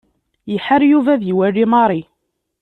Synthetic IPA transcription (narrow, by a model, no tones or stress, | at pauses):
jəħəɾjuvæðjiwærːimɑɾˤi